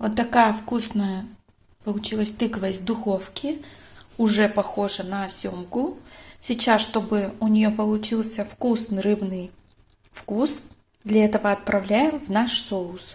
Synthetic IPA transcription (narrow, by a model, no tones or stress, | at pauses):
vot̪ːɐkajəfkusnəjə | pəlˠʊt͡ɕilˠəsʲt̪ɨkəvəjzʲd̪ʊxo̞fkʲɪʊʐɛpɐxo̞ʐɨnɐsʲomkʊsʲɪt͡ɕasʂt̪o̞bɨʊnʲɪjo̞pəlˠʊt͡ɕilˠsʲəfkusnɨɾɨbnɨj | fkus | d̪lʲɐɛt̪əvəɐt̪̚pɾɐvlʲæjɪmvnaʂsoʊs